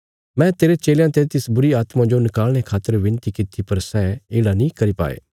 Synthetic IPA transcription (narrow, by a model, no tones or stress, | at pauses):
mɛ̃t̪eːɾet͡ʃeːljãt̪et̪ɪsbʊɾiaːt̪mãd͡ʒonɪkaːlɽ̃ekʰaːt̪ːəɾʋɪ̃nt̪ikɪt̪ipɐɾsɛːeːɽanĩkɐɾipa̰ːḛː